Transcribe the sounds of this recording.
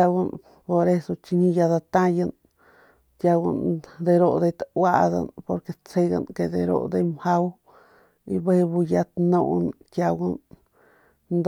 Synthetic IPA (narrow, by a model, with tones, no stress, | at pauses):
a˧wa˧n | po˨ɾe˦so˧t͡ʃi˧ɲĩ˧ja˧d̪a˧t̪ã˦ja˧n | t̪ja˧wa̰˧nd̪e˧ɾo˧d̪e˧jt̪awa˦ʔd̪a̰˧npo˧ɾke˧t͡se˧ɡa̰˧nke˧d̪e˧ɾo̰˦˨d̪e˧jmha˦w | i˧be˦he˧bu˧ja˧t̪nõ˧˨nkʲja˧ɡa˧n | nd̪